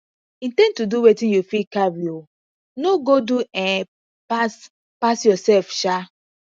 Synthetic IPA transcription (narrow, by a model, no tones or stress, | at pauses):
ĩntɛ̃ntuduwetĩnjufikabio | noɡoduɛ̃n | pas | pasjɔsɛlfʃa